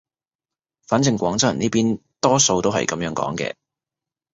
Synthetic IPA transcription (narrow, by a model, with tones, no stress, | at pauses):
faː˨˥nt͡sɪ˨˧ŋkʷɔː˨˥ŋt͡sɐ˨˩niː˥piː˥nt̪ɔː˥so˧wt̪o˥wɦɐ̰˨jkɐ˨˧mjœː˨˥ŋkɔ̰ː˨˥ŋkɛ̰ː˧